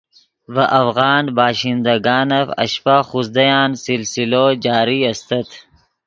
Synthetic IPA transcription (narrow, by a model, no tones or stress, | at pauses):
vɐʔɐfɣɑːnbaːʃind̪ɐɡɑːnɐfɐ̰ʃpaːxusd̪ɐjaːnsilsilod͡ʒɑːɾiɐst̪ɐt̪ʰ